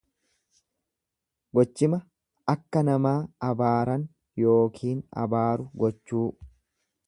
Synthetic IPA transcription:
ɡɔt͡ʃːɪmɐ | ɐkːɐnɐmaːɐbaːɾɐn | jo̞ːkʰiːnɐ̰baːɾʊɡɔt͡ʃːuː

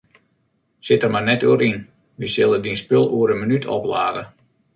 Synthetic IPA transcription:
sɪtərmanɛtuəɾin | ʋisɪlˠədinspølˠuəɾənmənytʰɔ̰pla̰ːɣə

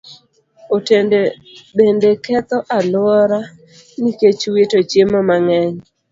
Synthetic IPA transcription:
otende | bendekɛt̪ɔʔalʊɔɾa | niket͡ʃwetot͡ʃjemɔmaŋɛɲ

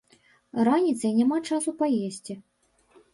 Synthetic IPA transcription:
ranʲit̪sɐinʲamat͡ʂasupajesʲt͡sʲi

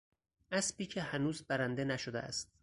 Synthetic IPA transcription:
ʔæsbiːcʰehænuːzbæɾænd̪enæʃod̪eʔæ̰st̪̚

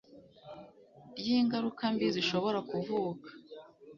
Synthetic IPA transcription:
jiːŋɡaɾukambiziʃo̞βo̞ɾakuvuːkḁ

